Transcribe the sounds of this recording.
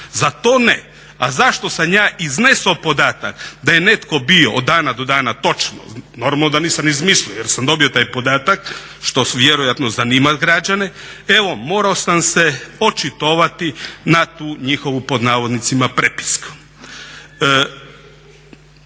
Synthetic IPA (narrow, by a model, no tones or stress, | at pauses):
zat̪oːne | azaʃt̪o̞samjaːʔizne̞sopo̞d̪aːt̪akd̪aje̞ne̞t̪ko̞bio̞od̪ːaːnad̪o̞d̪aːnat̪o̞t͡ʃno̰no̞ɾmalnod̪aniːsamizmisliojeɾsamd̪o̞bio̞t̪aːjpo̞d̪aːt̪ak | ʃt̪o̞ʋje̞ɾojat̪nozaniːmat̪ɡɾad͡ʑanee̞ʋo̞moːɾaosamse̞o̞t͡ʃit̪oʋat̪inat̪uːɲixo̞ʋupo̞d̪naːʋo̞d̪nit̪simapɾepi̥skḁ